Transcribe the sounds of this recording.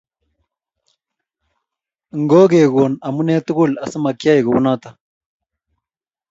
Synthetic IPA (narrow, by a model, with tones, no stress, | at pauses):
ŋɡoː˦ɡeː˨ɡoː˨nɐ˨muneː˦t̪u˦ɡu˦lɐ˨sə˦mɐ˨kja˦ji˨ɡu˨wunaːt̪a